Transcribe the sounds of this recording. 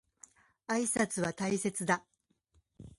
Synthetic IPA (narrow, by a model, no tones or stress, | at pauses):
aisat͡sɨβat̪aise̞t͡sɨd̪a